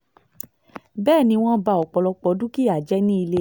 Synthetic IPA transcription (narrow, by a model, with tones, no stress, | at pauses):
bɛː˦˨nĩ˧w̃ɔ̃˦ba˧ɔ˨k͡pɔ˨lɔ˧k͡pɔ˨˦dũ˦ki˦˨a˨d͡ʒɛ˦nĩ˦i˧le˦